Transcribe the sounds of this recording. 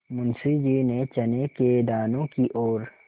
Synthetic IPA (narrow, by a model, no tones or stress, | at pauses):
mʊnsid͡ʒiːnet͡ʃɐneked̪aːnõkiʔɔːɾ